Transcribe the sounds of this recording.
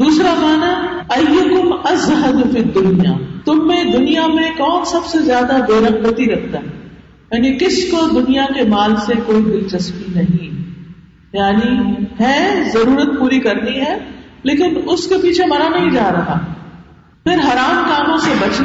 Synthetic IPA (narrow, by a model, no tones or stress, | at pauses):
d̪uːsɾaɡaːna | ɐjːɐkʊmɐzɦɐd̪fid̪ːʊnijaːt̪ʊmːẽd̪ʊnijamẽkɔːnsɐbsezjaːd̪ab̪eːɾɐq̚bət̪iɾɐk̚ʰt̪aɦɛ | jaːnikɪskod̪ʊnijakemaːlsekoːid̪ɪlt͡ʃɐspinɐɦĩ | jaːniɦɛ̃ːzɐɾuːɾət̪̚puːɾikɐɾniɦɛːleːkɪnʊskepiːt͡ʃʰemɐɾanɐɦĩd͡ʒaːɾɐɦa̰ːɦɛ | pɪɾɦɐɾaːmkaːmõsebɐt͡ʃ